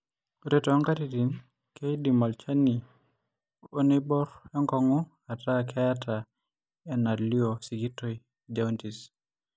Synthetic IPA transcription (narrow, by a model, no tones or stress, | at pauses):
oɾetɔŋkatitin | kedimɔlt͡ʃani | onebɔɾeŋkɔŋɔ | atakʰɛjatʰa | enaliosiɡitoj | d͡ʒawntis